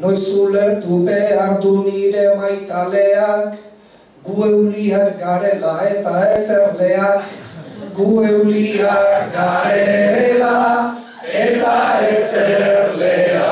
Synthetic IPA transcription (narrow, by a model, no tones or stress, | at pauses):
nojsuleɾt̪upeaɾd̪uniɾemajt̪aleak | ɡuewliakɡaɾelaet̪aeseɾleakɡuewliakɡaɾela | et̪aeseɾlela